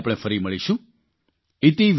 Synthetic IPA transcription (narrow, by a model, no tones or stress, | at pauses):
pɽ̃efəɾiməɭiʃũ | it̪iʋ